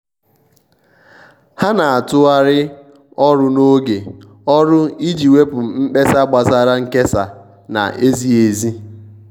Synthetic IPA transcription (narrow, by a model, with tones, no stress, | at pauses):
ha˦na˨a˨tʊ˦a˦ɾɪ˦ | ɔ˦ɾʊ˦no˦ɡe˨ | ɔ˦ɾʊ˦i˦d͡ʒi˨we˦pʊ˨m̩˦k͡pe˦sa˦ɡ͡ba˨za˦ɾa˦ŋ̩˦ke˦sa˨ | na̰˨ʔe˦zi˦e˨zi˦